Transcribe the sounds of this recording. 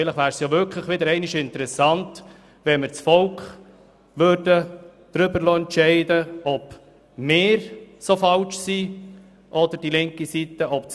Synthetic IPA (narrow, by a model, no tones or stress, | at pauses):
ɪləχʋæːɾsjɑʋʏɾkʰləχʋɪdəɾɛɪnɪʃɪnt̪əɾɛsɑnt | ʋɛnmɪɾt͡sfɔlkχ | ʋøɾd̥əd̪̥ɾʏbəɾloɛntʃɛɪdəɔb | mɪːɾsofɑlt͡ʃsi | ʔɔd̪əɾd̥ilɪŋkisit̪əʔɔp̚t͡s